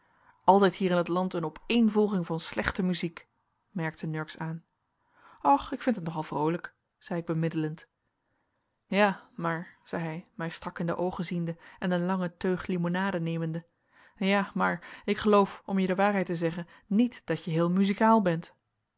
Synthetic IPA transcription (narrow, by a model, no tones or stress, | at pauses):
ʔɑlˠtɛjtɦiːɾɪnətlɑntənɔpejnvɔlˠχɪŋvɑnslɛχtəmyzik | mɛɹk̚tənɵɹksaːn | ɔχɪkfɪntətnɔχɑlˠv̥rowlək | z̥ɛjɪɡ̚bəmɪdələnt | jaːmaːɹz̥ɛjɦɛjmɛjstrɑkɪndə̰ʔowχəzindəʔɛnənlɑŋətøɥχlimonaːdənejməndə | jaːmaːɹɪkχəlowfʔɔmjədəʋaːɹɦɛjtəzɛχən | nitd̥ɑtjəɦɪːlˠmyzikaːlˠbɛnt